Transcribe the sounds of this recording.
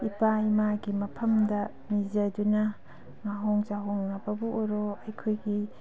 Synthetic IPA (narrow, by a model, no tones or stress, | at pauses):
ipaimaɡimɐpʰɐmdɐ | mizɐdunɐ | ŋaɦoŋzaɦoŋnɐbɐbuːɾoɐjkʰojɡi